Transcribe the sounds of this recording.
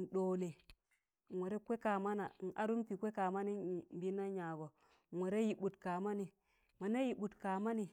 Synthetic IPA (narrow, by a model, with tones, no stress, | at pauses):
n̩˨ɗo˨le˨ | ŋʷwe˨ɾe˦kʷe˦ka˨ma˦na̰˨n̩˨ʔa˦ɾu˦mpi˨kʷe˦ka˨ma˦ni˦˨m˨bi˦na˦ɲa˨ɡo˨ | ŋʷe˨ɾe˦ji˨ɓu˨tka˨ma˦ni˨ | ma˨na˦ji˨ɓu˨tka˨ma˦ni˨